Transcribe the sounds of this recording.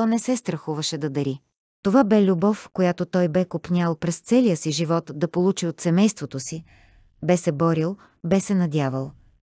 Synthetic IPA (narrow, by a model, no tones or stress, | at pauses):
ɔnɛsɛst̪ɾɐxuvɐʃɛd̪ɐd̪ɐɾi | t̪ovabɛlʲubɔfkojat̪ot̪ɔjbɛkopnʲalˠpɾɛst̪sɛlijəsiʒivɔt̪d̪ɐpolˠut͡ʃiot̪sɛmɛjst̪vot̪osi | bɛsɛbɔɾilˠ | bɛsɛnɐd̪ʲavəlˠ